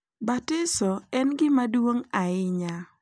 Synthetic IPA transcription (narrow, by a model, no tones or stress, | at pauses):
batɪsɔɛnɡɪmadwoŋaɪɲa